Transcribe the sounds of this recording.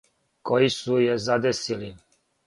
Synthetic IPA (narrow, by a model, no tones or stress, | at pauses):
kɔisujɛzad̪ɛsili